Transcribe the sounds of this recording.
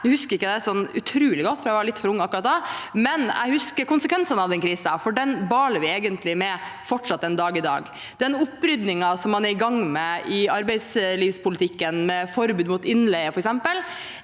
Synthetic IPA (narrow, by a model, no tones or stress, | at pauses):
d̪ɛhʉskəɾɪkːəd̪ɛsɔnːʉ̰t̪ʰɾʉːlɪɡɔt̪ːfɔɾæɪʋɑɭɪt̪fɔɾʊŋːɑkːɾɑt̪̚d̪ɛmɛnɛ̰ɪhʉskəɾkʊnsəkʋɛnsɑnɑʋd̪ɛnkʰɾiːsəɑfɔɖɛnbɑːləɾʋɪeːɡənt̪lɪmɛfɔʈʂɑt̪ːɛnd̪ɑːɡɪd̪ɑ̰ːɡ | d̪ɛnʊpːɾʏd̪nɪŋɑsɔmːɑnɛɾɪɡɑŋːmɛʔɪɑɾbɛɪd̪sliːʋspʰʊlɪt̪ʰɪkːənmɛfɔɾbʉːd̪muːt̪ɪnːlɛɪəfɔɾɛksɛmpəl